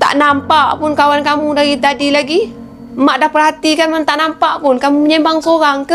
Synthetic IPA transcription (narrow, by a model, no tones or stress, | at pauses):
t̪a̰ʔnampaʔpʊnkawankamudaɾit̪adilaɡi | maʔdahpərɦat̪ikanmant̪aʔnampaʔpʊnkamuməɲɛmbaŋsoɾaŋkə